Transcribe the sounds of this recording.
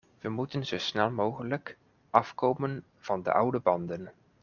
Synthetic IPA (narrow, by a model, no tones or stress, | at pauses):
ʋəmutənzowsnɛlˠmowχələk | ʔɑfkowmən | v̥ɑndə̰ʔʌwdəbɑndən